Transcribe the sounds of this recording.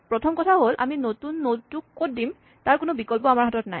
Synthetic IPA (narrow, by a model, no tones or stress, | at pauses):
pɹɔtʰɔmkɔtʰaɦolʔa̰minotunːotukːot̚dim | taɹkʊnobikɔlp̬ɔamaɹɦatɔtnaj